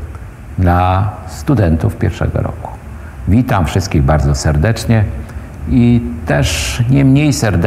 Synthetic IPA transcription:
d̪last̪ud̪ɛnt̪ufpʲjɛ̰ɾfʂɛ̰ɡɔ̰ɾɔ̰ku̥ | vʲit̪amfʂɘst̪̚kʲiɣbaɾd̪zɔsɛɾd̪ɛt͡ʂɲɛ | it̪ɛʂɲɛmɲejsɛɾd̪

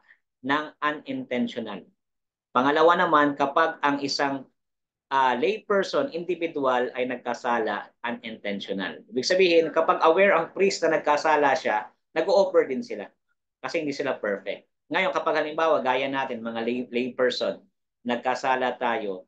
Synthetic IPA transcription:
nɐŋʔɐnɪnt̪ɛnʃonal | pɐŋɐlɐwanɐmankɐpaɡ̚ɐŋɪsaŋ | ʔalejpɛɹsonʔɪnd̪ɪvɪd̪ʊalɐjnɐɡ̚kɐsaːlɐ̰ʔɐnɪnt̪ɛnʃona̰liːbɪɡ̚sɐbiːhɪnkɐpaɡɐwɛɹʔɐŋpɾist̪nɐnɐɡ̚kɐsaːlɐʃa | nɐɡoʔoːbɛɹd̪ɪnsɪla | kɐsɛhɪnd̪iːsɪlapɛɹfɛ̰k̚t̪̚ | ŋɐjo̞nkɐpaɡ̚hɐlɪmbaːwɐɡaːjɐnaːt̪ɪnmɐŋallejpɛɹsonː | ɐɡ̚kɐsaːlɐt̪aːjo̞

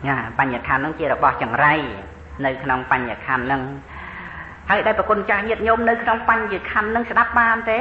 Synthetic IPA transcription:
ʔaːpaɲakʰanːɨŋt͡ɕiəɾrɔɓɑht͡ɕɑŋraj | nɨwkʰnoŋpaɲːakʰanːɨŋ | haəjɗaɔɛjpəkuənt͡ɕaːhɲiət̪̚ɲomnɨwkʰnoŋpaɲjɨkʰanːɨŋsɗap̚ɓaːnt̪eː

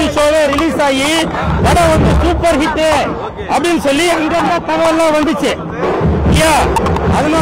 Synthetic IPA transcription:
isoːɭeɾiliːsaːjiʋɐɽɐond̪usuːpɐɾɦit̪e | ɐbimsɐlːiɐŋɡɐnːɐt̪ɐɡɐʋɐlːɐʋɐnd̪it͡ʃe | ijaɐdɐma

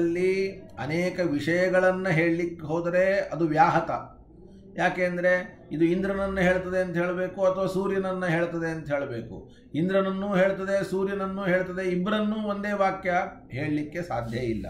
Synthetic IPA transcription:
lːiɐ̰neːkɐʋiʂɐjɐɡɐɭɐnːɐɦe̞ːɭlikːeɦoːd̪ɐɾe̞ɐd̪uʋjaːɦɐt̪ɐ | jaːkeːnd̪ɐɾe̞ | id̪uind̪ɾɐnɐnːɐɦeːɭt̪ɐd̪e̞ɐnt̪ɐɦe̞ːɭbe̞ːkuɐt̪ʰɐʋaːsuːɾjɐnɐnːɐɦe̞ːɭt̪ɐd̪e̞ɐnt̪ɐɦeːɭɐbe̞ːkṵ | ind̪ɾɐnɐnːuːɦe̞ːɭt̪ɐd̪esuːɾjɐnɐnːuːɦeːɭt̪ɐd̪eibːɐɾɐnːuːond̪e̞ːʋaːkjɐ | ɦe̞ːɭlikːe̞saːd̪ʱjɐilːɐ̰

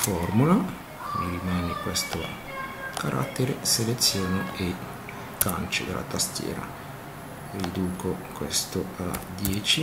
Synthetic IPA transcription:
fɔrmula | rimɛːnekwest̪o | kaɾʔa̰t̪ːeɾeselet̪sːjoːnee | kːant͡ʃod̪ḛlʔa̰t̪ast̪jɛ̰ːɾa̰ | rid̪uːkokwɛst̪oa̰d̪jɛːt͡ʃi

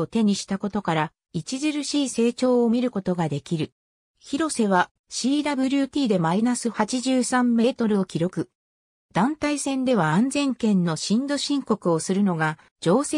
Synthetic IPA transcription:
ot̪e̞ɲ̟iɕi̥t̪ako̞t̪o̞kaɾa | it͡ɕiʑɨɾɯ̟ɕiːse̞ːt͡ɕo̞ːomʲiɾɯ̟ko̞t̪o̞ɡad̪e̞kʲiɾɯ̟ | çiɾo̞se̞β̞a | ɕiːd̪abɯ̟ɾʲɯ̟t̪ʲiːd̪e̞mainasɨhat͡ɕiʑɨːsãmːe̞ːt̪o̞ɾɯ̟o̞kʲiɾo̞kɯ̟ | d̪̥ãnt̪aisẽ̞nd̪e̞β̞aãnzẽ̞ŋkẽ̞nːo̞ɕĩnd̪o̞ɕĩŋko̞kɯ̟o̞sɨɾɯ̟no̞ɡa | d͡ʑo̞ːse

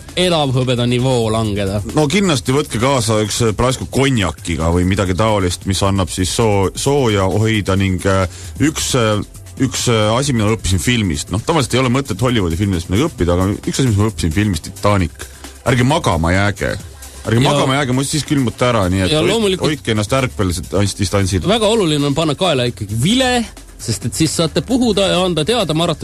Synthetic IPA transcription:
e̞lɑvɦɤbed̪ɑnivoːlɑŋɡ̥ed̪̥ɑno̞kinːɑst̪ivɤt̪̚kekɑːsɑyksprɑskuko̞nʲjɑkːˑiɡ̥ɑvɤjmid̪ɑɡit̪ɑolist̪misɑnːɑb̥sisːoso̞ːjɑohjd̪̥ɑniŋɡ̥ | yks | yksɑsʲimid̪ɑɤpːis̬infilmḭst̪no̞ht̪oɑvɑliset̪ejolɛmɤt̪ːˑet̪ho̞lːivod̪efilmid̪et̪minæɡɤpːid̪ɑːɡ̥ɑyksɑs̬imis̬mɑɤpːi̥sinfilmist̪ːit̪ːˑɑːnikːˑ | æɾɡemɑɡɑmɑ̰jæːɡ̥ḛ | æɾɡemɑɡ̥ɑmɑjæɡemusiskylmut̪ːˑæɾɑniːet̪ɑloːmulikojkˑːeenːɑst̪ærkpelset̪ːɑnʲsd̪ist̪ɑnʲsilvæɡ̥ɑo̞lulineo̞npɑnːɑkɑːeleikːɑɡ̥ivile | se̞st̪e̞t̪sisːɑːt̪ˑːe̞puɦud̪ɑjɑɑnd̪ɑt̪e̞ɑd̪ɑmɑːɾɑt̪ːˑɑ

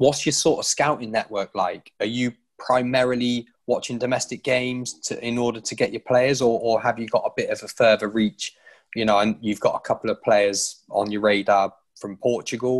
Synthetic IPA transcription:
wɒtsjəsɔˑtəv̥skaʊtɪ̃ŋnɛʔwɜˑklaɪkəjə | pʰɹ̥aɪmɛɹəli | wɒt͡ʃɪ̃ŋdəmɛstɪk̚ɡ̥ẽɪ̃mz̥tʰəɪ̃nɔːdətʰəɡɛt͡ʃəpʰl̥eɪəzəəəvjəɡɒtəbɪtəvəfɜːvəɹiˑt͡ʃ | jənoʊə̃njʉvɡɒ̰təkʰʌpəl̩əv̥pʰl̥eɪəzə̃njəɹeɪda | fɹə̃mpʰɔˑt͡ʃəɡəlˠ

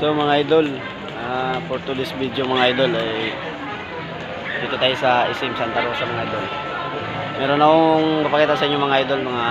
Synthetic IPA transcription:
somɐŋaʔajd̪o̞l | apoɾt̪ulɪsbid̪jomɐŋaajd̪o̞lɐj | d̪iːt̪ʊt̪aːjsɐʔɪsɪmsɐnt̪ɐɾosɐmɐŋaʔajd̪o̞l | mɛːɾonːɐhoŋmɐpɐkiːt̪ɐsɐʔiɲːomɐŋaʔajd̪o̞lmɐŋa

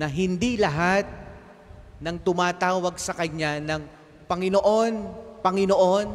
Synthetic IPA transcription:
nɐɦɪnd̪ilɐɦat̪̚ | nɐŋt̪ʊmaːt̪aːwɐɡsɐkɐɲːanɐŋ | pɐŋɪnoʔo̞npɐŋɪno̞ʔo̞n

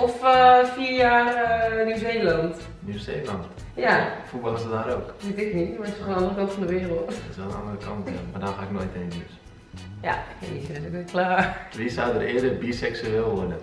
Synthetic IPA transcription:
ɔfəfiːɹjaːrənuːzeːlɑnt | njuːseːlɑnt | jafubɑlˠhɪsədaːɾoːkʋɪtɪknitmaɪsəχnɑndərəkɔntfɔndəʋɪːərəlˠtɪ̥sʋɛlˠənɑ̰ndərəkʰɑntja̰maːdɔnxaːɪknoːjteːnnys | ja̰isɛtokeklaːʋisawdərɪːədərbisɛksyeːlˠʋɔrdə

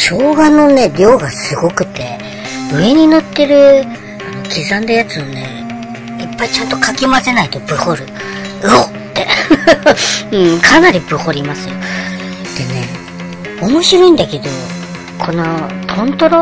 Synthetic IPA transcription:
ɕo̞ːɡano̞ne̞ɾʲo̞ːɡasɨɡo̞kɯ̟̥t̪ːe̞̰ | ɯ̟e̞ɲ̟ino̞t̪ːe̞ɾɯ̟ | ano̞kʲizãnd̪ajat͡sɨone̞̰ | ipːait͡ɕãnt̪o̞kakʲimase̞nait̪o̞bɯ̟ho̞ɾɯ̟ | o | t̪ːe̞ | ɯ̟̃ːkʰanaɾʲibɯ̟ho̞ɾʲimasɨjo | d̪̥e̞ne̞̰ | omo̞ɕiɾo̞ĩnd̪ake̞d̪o̞ | kʰo̞nokʰõ̞nt̪o̞ɾo

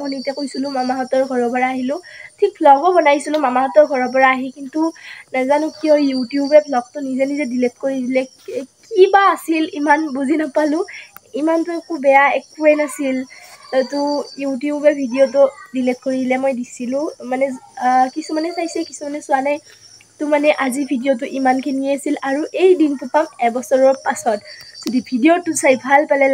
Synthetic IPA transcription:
mɔnitiakojsilʊ̃mamaɦɔtɔɹɡʱɔɹɔpɔɹaːɦilʊ̃tʰik̚pʰlɔɡɔbɔnajsilʊ̃mamaɦɔtɔɹɡʱɔɹɔpɔɹaːɦikintunazanʊkijɔjutijubɛpʰlɔɡ̚tʊnizɛnizɛdilep̚t̚koɹidilɛ | kibaːsilimanbuzinapalʊ̃imantʊɛkubɛjaɛk̚uɹɛnasiltɔtʊjutijubɛbʱidiot̬ʊdilept̚koɹidilɛmojdisilʊ̃manɛkisumanɛsajsɛkisumanɛsʊwanaj | tʊmanɛʔazibʱidijot̬ʊʔimankʰiniasilaɹuʔejdintʊpamɛbɔsɔɹɔɹpasɔtz̥ɔdibʱidiotusajbʱalpalɛ

